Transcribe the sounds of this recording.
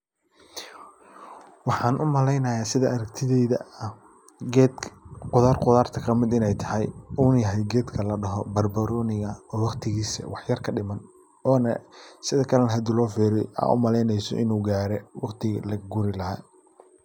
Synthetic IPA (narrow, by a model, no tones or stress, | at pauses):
wɑħɑːnʔʊmɐlɛjnɐjaːsɪðɐɐɾɐkt̪ʰɪðɛðɐɐ | ɡɛqʊðaːrqʊðaːrt̪ʰɐkʰɐmɪd̪ɪnɛjt̪ʰɐhɛjuːnjɐɦɛjɡɛːd̪kʰɐlɐɖɐɦɔbɐrbɐɾɔːnɪɣɐɔːwɑqt̪ʰɪɣiːsɐ̰wɑħjɐrkʰɐɖɪmɐn | ɔːnɐsɪðɐkʰɐlɐnɦɐd̪ɪlɔːfiːɾɛjʔa̰ʔʊ̰mɐlɛjnɛjsɔ̰ʔɪ̰nuːɡaːɾɛwɑqt̪ʰɪɣlɐɡʊɾɪlɐɦa̰ː